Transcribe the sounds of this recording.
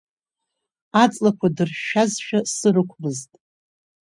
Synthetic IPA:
at͡sʼlakʷʰadɨrʃazʃᶣasɨrɨkʷʰmɨztʼ

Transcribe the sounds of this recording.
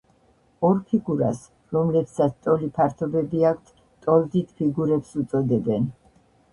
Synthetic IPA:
ɔɾpʰiɡuɾas | ɾɔmlɛpsat̪sʰt̪ʼɔlipʰaɾt̪ʰɔbɛbiak̚ʰt̪ʰ | t̪ʼɔld̪it̪ʰpʰiɡuɾɛpsut̪sʼɔd̪ɛbɛn

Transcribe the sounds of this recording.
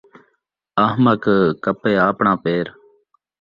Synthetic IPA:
əɦməkkəpeːaːpɳãːpeːɾ

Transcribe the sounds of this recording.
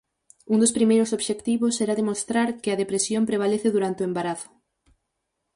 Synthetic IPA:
und̪ospɾimejɾʊsoβʃekt̪iβʊsɛɾaðemost̪ɾaɾkɪɐðepɾesjompɾeβ̞aleθɪðuɾant̪eoembaɾaθʊ̥

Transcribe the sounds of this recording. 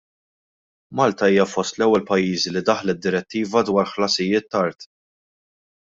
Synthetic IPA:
mɐlt̪ɐiːjɐfɔst̪lɛwːɛlpɐjːiːzilid̪ɐħlɛt̪̚d̪ːɪɾɛt̪ːiːvɐd̪wɐːɾħlɐsɪjːɪːt̪ːɐɾt̪

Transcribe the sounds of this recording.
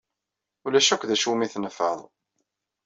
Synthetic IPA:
ulæʃækʷðæʃumiθnəfːə̰ðˤ

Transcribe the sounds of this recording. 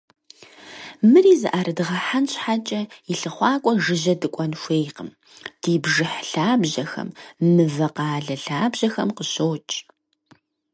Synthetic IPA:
mɨriːzɨʔaːɾɐdɨʁɐħanɕħat͡ʃʼɐjɪɬɨχʷɑːkʷʼɔʒɨʑɐdɨkʷʼɔnʃʷeːjqəm | d̥iːbʒɨħɬaːbʑɐxɐ̰mmɨvɐqɑːɮɐɬaːbʑɐxɐmqəɕoːt͡ʃʼ

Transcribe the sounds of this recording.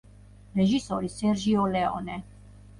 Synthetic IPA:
ɾɛʒisɔɾisɛɾʒiɔlɛɔ̰nɛ

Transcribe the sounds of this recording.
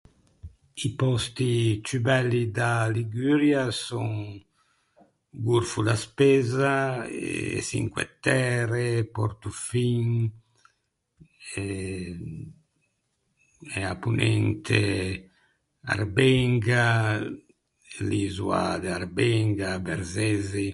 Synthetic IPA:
ipɔst̪it͡ʃybɛlːid̪aliɡyːɾjasɔŋ | ɡuɾfud̪aspɛːzaḛsḭŋkwḛt̪ːɛːɾepɔɾt̪ufiŋ | ɛ | ɛapunɛnt̪ʰe | a̰rbɛŋɡa | lizua̰d̪aɾbɛŋɡabḛɾzɛzi

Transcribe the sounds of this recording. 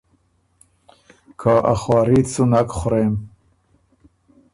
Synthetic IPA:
kʰaʔa̰χwɑːɾit͡sunakχʊɾem

